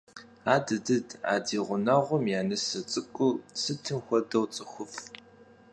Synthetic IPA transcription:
aːdɨdɨda̰ːdiːʁʷʊnɐʁʷʊmjaːnɨsɐt͡sʼɨkʷʼʊsɨtʰɨmxʷɔdɐwt͡sʼɨxʷʊf

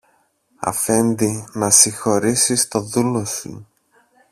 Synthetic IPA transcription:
ɐ̰fe̞nd̪inɐsixo̞ɾisist̪o̞ðulo̞sṵ

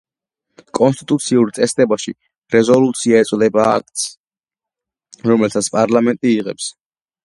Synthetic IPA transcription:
kʼɔnst̪ʼit̪ʼut̪sʰiuɾt̪sʼɛsd̪ʼɛbaʃi | ɾɛzɔlut̪sʰiaɛt̪sʼwlɛbaːk̚ʰt̪s | ɾɔmɛlt̪ʰat̪sʰpʼaɾlamɛnt̪ʼiːʁɛps

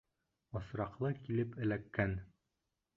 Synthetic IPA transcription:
ɒ̆sɾɑqlˠɤkilɘpɘ̆lækːæn

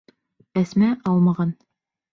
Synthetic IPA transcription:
æsmæʔɑlˠmɑʁɑn

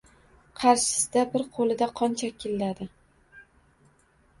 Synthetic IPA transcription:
qʰɑɾʃɪ̥sɪd̪abɪɾqʰolˠɪd̪aqʰɒnt͡ʃʰakʲʰːɪlːad̪ɪ

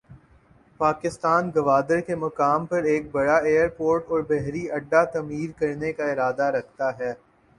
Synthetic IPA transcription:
paːkɪst̪aːnɡɐʋaːd̪əɾkemɐkaːmpɐɾeːk̚bɐɽaeːəɾpoːɾʈɔːɾbɛɦɾiɐɖːat̪ɐmiːɾkɐɾnekaɪɾaːd̪aɾɐkʰt̪aɦɛː

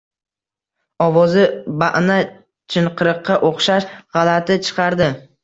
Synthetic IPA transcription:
ɒvɒzɪbaʔna | t͡ʃʰɪɴqʰɨɾɨqːɑʔoχʃaʃʁɑlat̪ɪt͡ʃʰɨ̥qʰɑɾd̪ɪ

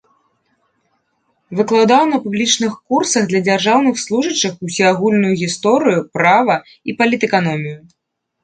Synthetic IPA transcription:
vɨklˠawd̪awnɐpublʲit͡ʂnɨxkursɐɣd̪lʲɐd͡zʲarʐawnɨxslˠuʐɐt͡ʂːɨxusʲiaɣulʲnujuɣʲist̪ɔɾɨjupɾavɐ | ipɐlʲit̪ɛkanɔmʲiju

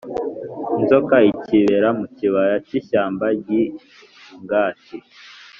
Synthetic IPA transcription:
nzokaiciβeɾamuciβajaciʃaːmbaɟi | ŋɡaːti

